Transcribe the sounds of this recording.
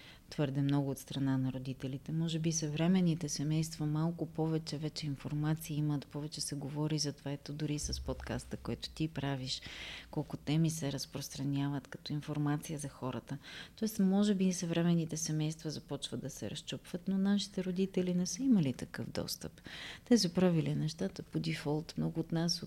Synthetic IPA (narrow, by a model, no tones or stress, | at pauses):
t̪v̥ɤɾd̪ɛmnɔɡʊːt̪st̪ɾɐnanɐɾod̪it̪ɛlit̪ɛmɔʒɛbisɐvɾɛmɛnːit̪ɛsɛmɛjst̪vɐmalˠkʊpɔvɛt͡ʃɛvɛt͡ʃɛinfoɾmat̪siːimət̪pɔvɛt͡ʃɛsɛɡovɔɾizɐt̪ovaɛt̪od̪ʊɾisɐspot̪ka̰st̪əkoɛt̪ʊ̥t̪ipɾaviʃkɔlˠkʊt̪ɛmisɛɾəspɾost̪ɾɐnʲjavət̪kɐ̥t̪ɔinfoɾmat̪sijəzɐxɔɾə̰t̪ət̪ɔɛst̪mɔʒɛbisɐvɾɛmɛnːit̪ɛsɛmɛjst̪vəzɐpɔt͡ʃvəd̪d̪ɐsɛ̰ɾɐst͡ʃɔpvət̪nonaʃi̥t̪ɛɾod̪it̪ɛlinɛsəimɐlit̪ɐkɤvd̪ɔ̰st̪ə̰pt̪ɛsəpɾavilinɛʃt̪at̪əpod̪ifɔlˠt̪mnɔɡʊːt̪nas